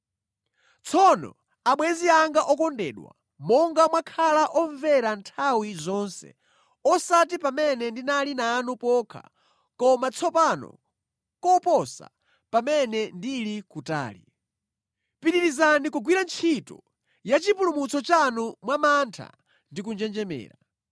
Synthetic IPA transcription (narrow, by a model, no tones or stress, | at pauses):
t͡sʰɔnɔ̰ | aɓwɛziaŋɡaʔɔkɔndɛ̰ːɗwa̰ | mɔŋɡamwakʰalaʔɔɱvɛɾantʰawizɔnsɛ̰ | ɔsatipamɛnɛndinalinaːnupɔkʰa̰ | kɔmat͡sʰɔpanɔ̰ | kɔpɔsa̰ | pamɛnɛndilikuta̰ːlḭ | piɗiɾizanikuɡwiɾant͡ʃʰitɔ̰ | jat͡ʃipulumut͡sʰɔt͡ʃanumwamantʰa̰ | ndikund͡ʒɛnd͡ʒɛmɛ̰ːɾa